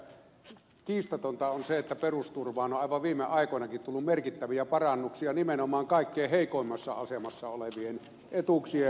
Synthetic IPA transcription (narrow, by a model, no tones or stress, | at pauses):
kiːst̪ot̪ont̪ɑonseet̪ːæperust̪urʋɑːnoʔɑˑiʋɑʋʋiːmːḛʔɑˑikoenɑkit̪t̪ulːummerkit̪ːæʋiæpɑrɑnːuksiɑnimenomɑːŋkɑˑikːeːheˑikoˑimːɑsːɑ̰ɑsemɑsːɑoleʋien | et̪uksie